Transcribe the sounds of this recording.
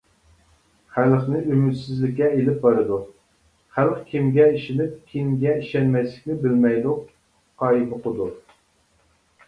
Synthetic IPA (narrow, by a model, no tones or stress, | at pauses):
χælχnɪʔymyt̪sɪzlɪkʲːɛelɪp̚bɑɾɨd̪u | χælqkʲʰimɡʲɛiʃɪnɪp̚kʲʰimɡʲɛiʃɛnmɛjslɪ̥kʲnɪbɪlmɛjd̪ʊq | qʰɑːjibɨqʊd̪u